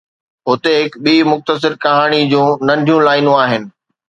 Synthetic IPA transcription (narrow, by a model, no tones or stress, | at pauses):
ɦʊt̪eɦɪkɓiːmʊxt̪əs̬ɪɾkɐɦaːɽ̃id͡ʑũːnɐ̃ɳɖʱijũlaːɪnũaːɦɪnɪ̆